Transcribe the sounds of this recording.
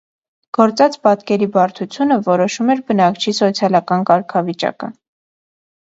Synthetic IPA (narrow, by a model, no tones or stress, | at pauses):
ɡ̥ɔɾt͡sɑt͡spɑt̪kɛɾibɑɾt̪ʰut͡sʰjunəvɔɾɔʃumɛɾbənɑkt͡ʃʰisɔt͡sʰjɑlɑkɑnkɑɾkʰɑvit͡ʃɑ̰kə